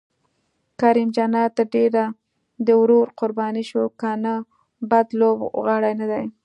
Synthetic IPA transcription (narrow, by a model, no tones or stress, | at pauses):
kaɾimd͡ʒanɑt̪əɾɖeɾa | d̪əwɾoɾqʊɾbɑniʃokana | bad̪lobɣaɽajnad̪aj